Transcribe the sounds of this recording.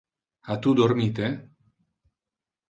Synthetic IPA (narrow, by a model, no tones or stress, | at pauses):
at̪ud̪oɾmit̪e